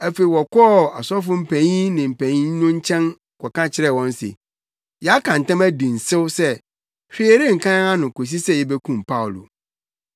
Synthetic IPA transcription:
æ˦fe˨i˨wɔ˨kʰɔ˦˨a˨sɔ˦f̬ʊ˦m̩˨pʰæ̃˨ɲĩ˦nɪ̃˨m̩˨pʰæ̃˨ɲĩ˦ɲ˦ʊ̃˦ɲ̩˦t͡ɕʰɛ̃˦n˨ | kʰɔ˨kã˦t͡ɕʰɪ˦ɾɛ˦˨wɔ̃˦n˦sḛ˨ | jɛ˨˦a˦kʰã˨n̩˨tã˦mæ˦dĩ˨n̩˨sɪ˦wsɛ˦ | hᶣi˦e˨ɾe˦ŋ̩˨kʰã˦ã˦ŋã˦nʊ̃˨ko˨s̬i˦sɛ˦˨jɛ˦bɛ˦kʰũ˨mpʰa˦˨wʊ˨lo̰˨

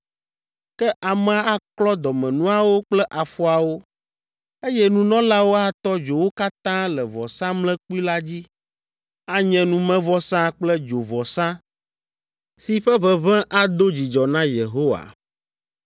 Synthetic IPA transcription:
kɛ˦ʔa˨mɛ˨a˨a˦klɔ˦d̪ɔ˨mɛ̃˨nũ˦a˨wo˦k͡plɛ˦ʔa˨fu˦a˨wo˦ | e˦jɛ˦nũ˨nɔ̃˦la˦wo˦a˦t̪ɔ˦d͡ʒo˨wo˦ka˦t̪ã˦lɛ˨vɔ˨sã˦mlɛ̃˦k͡pu˦i˦la˦d͡ʑi˦ | a˦ɲɛ̃˨nũ˨mɛ̃˦vɔ˨sã˦k͡plɛ˦d͡ʒo˨vɔ˨sã˦ | si˨ɸɛ˦βɛ˨βɛ̃˦ʔa˦d̪o˦d͡ʑi˨d͡ʒɔ˨nã˦je˨ɦo˦wa̰˨

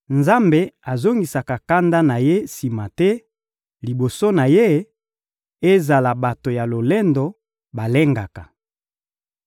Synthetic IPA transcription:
nza˦mbe˨a˨zo˦ŋɡi˨sa˨ka˨ka˦nda˦na˨je˦si˨ma˨tɛ˦ | li˨bo˨so˦na˨je˦ | e˦za˨la˨ba˨to˨ja˨lo˨le˦ndɔ˨ | ba˨le˦ŋɡa˨ka˨

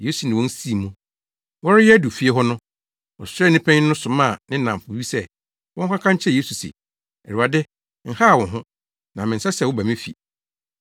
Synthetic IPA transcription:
je˦su˨nɪ̃˨wɔ̃˦n̩˦si˦˨mũ˨ | wɔ˦ɾɪ˦jɛ˦æ˦du˨fi˦e˦ɦɔ˦nʊ̃˦ | wɔ̰˨sɛ˦˨nɪ̃˦pʰæ̃˦ɲɪ̃˦nʊ̃˦sʊ˨mã˦˨nɪ̃˦nã˨m˨fʊ˨˦ɥi˦sɛ˦ | wɔ̃˦ŋ˦kʷʰã˦kʰã˦ɲ̩˦t͡ɕʰɛ˦˨je˦su˨sḭ˨ | ɛ˨ɾu˨a˨dɪ˦ | ŋ̩˨ha˦a˨wɔ̃˨nɦʊ̃˦ | nã˨mɪ̃˨n̩˨sa˦sɛ˨wʊ˦bæ˨mɪ̃˦fḭ˨

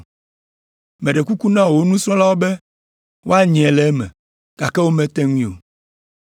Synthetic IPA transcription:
mɛ̃˨ɖe˨ku˦ku˦nã˦wo˨o˦nũ˦sɾɔ̃˦la˦wo˦be˦ | wo˦a˦ɲi˨ɛ˨lɛ˨˦mɛ̰˨ | ka˨kɛ˦wo˦mẽ˨˦t̪ɛ˦ŋʷĩ˦˨o̰˨

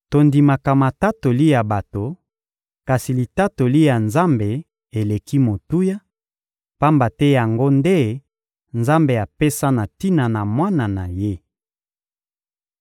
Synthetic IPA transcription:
to˨ndi˨ma˨ka˨ma˨ta˦to˨li˦ja˨ba˨to˨ | ka˨si˨li˨ta˦to˨li˦ja˨nza˦mbe˨ | e˨le˨ki˦mo˨tu˦ja˦ | pa˦mba˨tɛ˦ja˨ŋɡo˦nde˦ | nza˦mbe˨a˨pe˦sa˦na˨ti˦na˨na˨mwa˦na˨na˨je˦

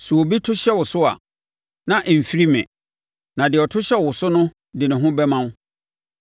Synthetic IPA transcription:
su˨o˨bi˦tʰʊ˦ɕɛ˦wʊ˨sʊ˦a̰˨ | nã˨ʔm̩˨fi˦ɾi˦mɪ̰̃˨ | nã˨dɪ˨ɔ˨tʰʊ˦ɕɛ˦wʊ˨sʊ˦nʊ̃˦ | dɪ˨nɪ̃˨ɦʊ̃˦bɛ˦mã˦

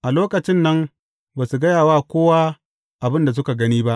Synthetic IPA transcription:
ʔa˨loː˦kɐ˨t͡ʃɪ˦nːɐ˦m | baː˨su˨ɡɐ˦jaː˨waː˦kʷoː˦waː˦ | ʔa˨bɪ˦nda˨s̬ʊ˦ka˨ɡɐ˦niː˦ba˦ʔ

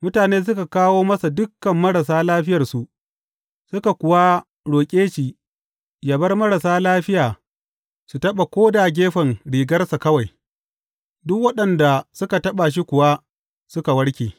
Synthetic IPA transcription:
mʊ˦taː˨neː˦s̬ʊ˦ka˨kaː˦woː˦mɐ˦sa˨dʊ˦kːɐ˨mːɐ˦ɽɐ˨s̬aː˦laː˦ɸɪ˦jɐ˨rsu˨ʔ | sʊ˦ka˨kʷʊ˨wa˦ | ɽoː˨kʲʼeː˦ʃi˨ | jɐ˨bɐ˦rmɐ˦ɽa˨saː˦laː˦ɸɪ˦jaː˨ | su˨tɐ˦ɓa˨kʷoː˦da˨ɡʲeː˦ɸɐ˨nɽiː˨ɡɐ˦rsa˨kɐ˦wa˨j | dʊ˦k̚wɐ˦ɗɐ˨nda˨sʊ˦ka˨tɐ˦ɓa˨ʃ̬i˦kʷʊ˨wa˦ | sʊ˦ka˨wɐ˦ɽkʲeː˨

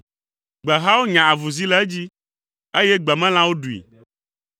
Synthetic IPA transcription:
ɡ͡bɛ˨ɦa˦wo˦ɲã˨a˨vu˨zi˦lɛ˦d͡ʑi˦ | e˦jɛ˦ɡ͡bɛ˨mɛ̃˦l̃ã˦wo˦ɖu˨ḭ˨

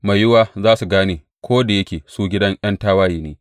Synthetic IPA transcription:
ma˨jʊ˦waː˦zaː˦su˨ɡaː˦neː˨ | kʷoː˦da˨jɐ˦kʲeː˨suː˦ɡʲɪ˦dɐ˦ŋʔɐ˦ntaː˦waː˦jiː˨neː˦

